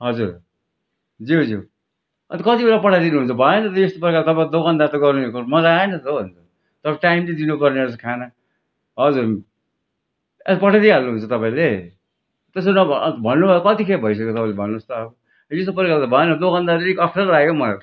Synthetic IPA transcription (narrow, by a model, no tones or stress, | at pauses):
ɦʌd͡zuɾ | d͡ziwd͡ziw | ʌnt̪kʌt̪ibeɾapʌʈʰajd̪inuɦunt͡sʰʌbʱʌenʌt̪ʌjest̪opʌɾkat̪ʌpãd̪oɡʌnd̪at̪ʌɡʌrnekmʌlaaenʌt̪ʰobʱʌnt͡sʰʌ | t̪ʌɾpʈaimlid̪inupʌrneʌsʌkʰanʌ | ɦʌd͡zuɾ | espʌʈʰad̪iɦalnuɦunt͡sʰʌt̪ʌpãĩle | t̪es̬nʌ̰bʱʌnːubʱajokʌt̪ikʰebʱʌjs̬ʌkeot̪ʌpãĩlebʱʌnːost̪ʌːbʌ | jest̪opʌɾkalt̪ʌbʱʌenʌd̪oɡʌnd̪aeikʌpʰʌrlaɡjomʌla